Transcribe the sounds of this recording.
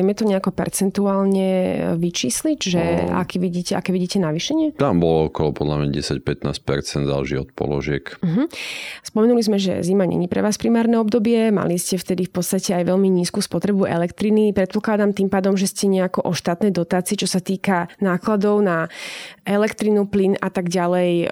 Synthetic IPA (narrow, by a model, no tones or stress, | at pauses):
jmɛt̪ɔɲɛakɔpɛ̰ɾt͡sɛnt̪uaːlɲɛʋit͡ʃiːslicʒɛa̰kiːʋiɟiːcɛa̰kɛːʋiɟiːcɛnaʋiːʃɛɲɪɛt̪ambɔlɔɔkɔlɔpɔd̪lamɲa̰ɟɛsacpɛt̪na̰ːs̚pɛɾt͡sɛnd̪za̰lʒḭːɔt̪̚pɔ̰lɔ̰ʒɪɛkm̩ɦm̩spɔmɛnulizmɛʒɛ̰zimaɲʔɛ̰ɲipɾɛ̰ʋaːspɾimaːɾnɛɔbd̪ɔbɪɛma̰liscɛft̪ɛd̪ifpɔt̪t͡sst̪acɛajʋɛʎmiɲiːskuːspɔt̪ɾɛbuʔɛ̰lɛkt̪ɾinipɾɛt̪pɔklad̪amt̪impaːd̪ɔmʒɛscɛɲɛakɔʔɔʃt̪aːt̪nɛjd̪ɔt̪aːt͡siɛt͡ʃɔsat̪iːkanaːklad̪ɔʊnaʔɛlɛkt̪ɾinuplinat̪aɡɟalɛj